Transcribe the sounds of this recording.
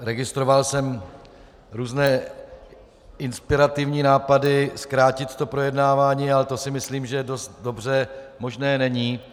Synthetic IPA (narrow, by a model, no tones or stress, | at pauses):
ɾɛɡɪst̪ɾo̞valsɛm | ɾuːznɛː | ɪnspɪɾat̪ɪvɲiːnaːpadɪskɾaːcɪt̪t̪o̞pɾo̞jɛdnaːvaːɲiːalɛt̪o̞sɪmɪsliːmʒɛdo̞st̪do̞br̝ɛmo̞ʒnɛːnɛɲiː